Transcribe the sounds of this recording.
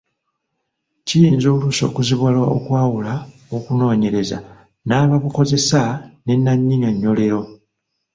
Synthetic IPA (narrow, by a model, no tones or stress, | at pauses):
cijiːnzoːluso̞̰ːkuziβwalwaokwaːwula | okuno̞ːɲe̞ɾe̞za̰ | naːβaβuko̞ze̞sane̞nːaɲːiŋaɲːo̞le̞ɾo̞